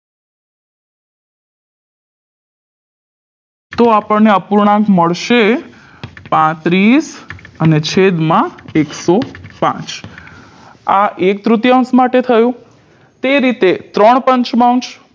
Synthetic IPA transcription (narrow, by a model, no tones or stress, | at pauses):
t̪oapəɳneəpuɾɳãkməɭʃe | pãt̪ɾisənet͡ʃʰed̪mãeksopã̰t͡ʃ | aʔek̚t̪ɾut̪jãsmaʈet̪ʰəjũ | t̪eɾit̪et̪ɾəɳ̃pə̃ɲt͡ʃmaw̃t͡ʃ